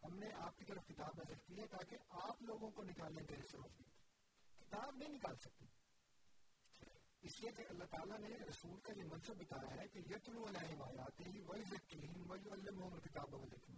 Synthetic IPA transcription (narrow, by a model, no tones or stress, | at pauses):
hɐmneʔaːp̚kit̪ɐɾəfkɪt̪aːbnɐsɐkt̪iɦɛt̪aːkeʔaːploːɡõkonɪkaːlẽk̪ɐisɐɾo̰ːfd̪eːt̪ː | kɪt̪aːbnɐɦĩnɪkaːlsɐk̚t̪iː | ɪsliekeʔɐlːaɦt̪aːlaneɾɐsuːlkajemɐ̃nsəbːɐt̪aːjaɦɛkejɐt̪lũɐlaːɪmaːjaːt̪eɦiʋɐzɐkːiɦɪnʋɐjʊɐlːɪmɦʊ̃mɐlkɪt̪aːbɐʋɐlḛːkʰm